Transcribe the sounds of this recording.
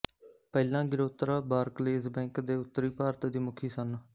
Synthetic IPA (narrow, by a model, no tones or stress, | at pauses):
pɛːlãːɡɪɾoːt̪ɾaːbaːɾkleːzbɛ̃ːŋkd̪eːʊt̪ːɾiːpaːɾt̪d̪iːmʊkʰiːsən